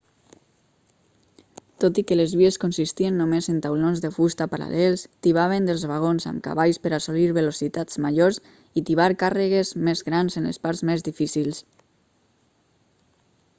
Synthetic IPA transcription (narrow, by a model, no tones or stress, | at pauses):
t̪ot̪ikəlezβieskunsist̪iənːomezent̪awlonzðəfust̪apaɾa̰lɛlˠst̪iβ̞aβ̞end̪əlˠzβaɣ̞onza̰mka̰βaʎspəɾasoliɾβelosit̪az̥maʎoɾs | it̪iβaɾkarəɣ̞ezmezɣɾanzenlḛspaɾzmezðifisilˠs